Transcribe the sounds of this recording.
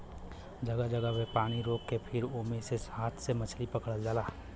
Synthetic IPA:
d͡ʒɐɡad͡ʒəɡawepaːɽ̃iɾoːkːepʰɪɾoːmeseshaːt̪ʰsemɐt͡ʃʰlipɐkəɽəld͡ʒaːlaː

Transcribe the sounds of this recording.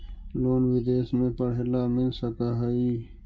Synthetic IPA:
loːnwid̪eːsmẽpəɽ̤elaːmɪlsəkaɦaiː

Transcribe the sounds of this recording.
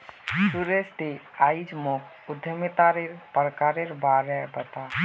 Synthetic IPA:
suɾest̪i | ajd͡ʒmokʰ | ud̪ʱjəmit̪aɾeɾpɾəkaɾeɾbaɾɛbət̪a

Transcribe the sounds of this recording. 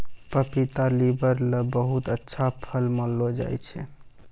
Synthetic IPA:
pəpit̪alibəɾləbəɦut̪ətːʃʰapʰəlməlːod͡ʒa̰jt͡ʃʰɛ

